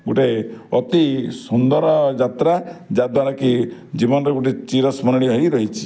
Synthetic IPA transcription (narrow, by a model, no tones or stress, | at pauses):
ɡuʈeɔt̪isund̪ɔɾɔd͡ʒat̪ɾad͡ʒad̪aɾakid͡ʒibɔnɔɾeɡuʈet͡ʃiɾɔsmɔnɽ̃iɦɔjɾɔɦit͡ʃʰi̥